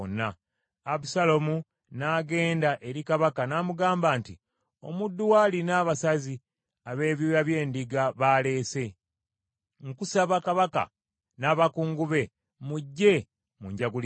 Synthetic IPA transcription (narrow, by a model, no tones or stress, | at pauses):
nːa | aβusalomu | naɡe̞ːndaʔe̞ɾikaβakanaːmuɡaːmbaːnti | o̞̰mudːuwaːlinaːβasazi | aβe̞ːβjojaβje̞ːndiɡaβaːle̞ːse̞ | ŋkusaβakaβaka̰ | naːβakuːŋɡuβe̞ | muɟːe̞ | muɲɟaɡul